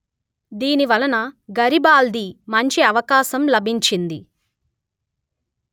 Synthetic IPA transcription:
d̪iːniʋɐlɐnɐɡɐɾibaːld̪imɐɲt͡ʃiɐʋɐkaːʃɐmlɐbʱiɲt͡ʃind̪i

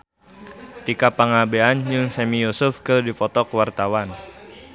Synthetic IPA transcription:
t̪ikapaŋabeand͡ʒɨŋsɛmijusʊfkərdipɔt̪ɔkəwart̪awan

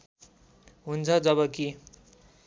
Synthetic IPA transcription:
ɦunt͡sʰʌd͡zʌβʌki

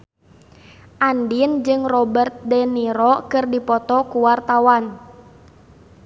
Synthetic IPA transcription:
ʔandind͡ʒɨŋrɔbərt̪̚dɛniɾɔkɨrdipɔt̪ɔkuwart̪awan

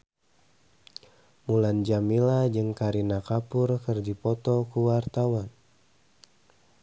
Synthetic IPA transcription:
muland͡ʒamilad͡ʒɨŋkaɾinakapurkɨrd͡ʒipɔt̪ɔkuwart̪awan

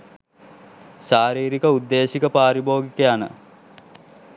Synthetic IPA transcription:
ʃaːɾiːɾikəud̪ːeːʃikəpaːɾiboːɡikejanə̰

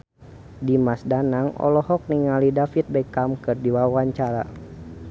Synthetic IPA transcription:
dimasdanaŋɔ̰lɔhɔk̚niŋalidafit̪̚bɛkamkɨrdiwawaɲt͡ʃaɾa̰

